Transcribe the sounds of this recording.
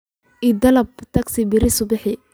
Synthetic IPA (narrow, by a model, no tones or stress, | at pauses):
ʔid̪ɐlɐbt̪ʰɐksɪbɪɾɪsʊbɪħɪ